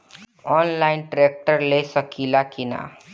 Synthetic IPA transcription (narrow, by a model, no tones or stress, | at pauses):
ɔːnlaɪnʈɾek̚ʈəɾlesəkilakina̰